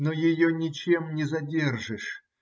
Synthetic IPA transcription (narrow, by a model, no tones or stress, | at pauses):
nojɪjonʲɪt͡ɕe̞mnʲɪzɐdʲe̞rʐɨʂ